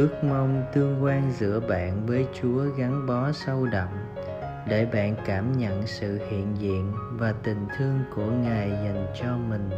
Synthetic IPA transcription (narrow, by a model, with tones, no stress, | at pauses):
ʔɨ˦˥ək̚ma˧wŋ͡mt̪ɨ˧əŋkwaː˧nzɨ̰˧˥əɓa̰ː˧˨nvəː˨˦jt͡ɕu˨˦əɣa˨˦ŋɓɔ˨˦sə˧wɗə̰˧˨ŋ͡m | ɗe˧˩ɓa̰ː˧˨nkaː˧˩mɲə̰˧˨nsɨ̰˧˨hḭ˧˨ənzḭ˧˨ənvaː˨˩t̪ï˨˩ŋ̟t̪ʰɨ˧əŋku˧˩əŋaː˨˩jza˨˩jŋt͡ɕɔ˧mï˨˩ŋ̟